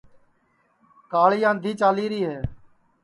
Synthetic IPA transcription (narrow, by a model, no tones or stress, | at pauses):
kaːɭɪjãːnd̪ʱiːt͡ʃaːliːɾiːɦeː